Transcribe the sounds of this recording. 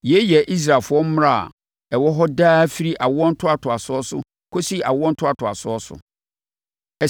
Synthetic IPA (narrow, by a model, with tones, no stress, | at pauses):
jɛ˨˦jɛ˨ʔi˦s̬ɾaː˨fʊ˨˦ɔ˦m̩˦m˦ɾa˦˨a̰˨ | ɛ˨wɔ˦ɦɔ˦daː˦fi˦ɾi˦ʔa˨wʊ˦ɔ̃˦n̩˦tʰʊ˦a˨tʰʊ˨a˨sʊ˦ɔ˦sʊ̰˦ | kʰo˦si˦a̰˨wʊ˦ɔ̃˦n̩˦tʰʊ˦a˨tʰʊ˨a˨sʊ˦ɔ˦sʊ̰˨ | ɛ˨